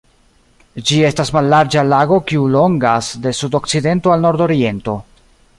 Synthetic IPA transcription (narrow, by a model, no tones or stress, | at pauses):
d͡ʒie̞stasmalːaɾd͡ʒalaɡo̞kiulo̞ŋɡasde̞sudo̞k̚t͡side̞nto̞alno̞ɾdo̞ɾie̞nto̞